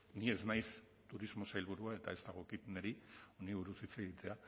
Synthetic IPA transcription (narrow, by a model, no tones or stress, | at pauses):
nie̞znajs | t̪uɾizmo̞sajlβuɾuae̞t̪a̰e̞st̪aɣ̞o̞kit̪eneɾioniβuɾusit͡se̞ɣit̪e̞a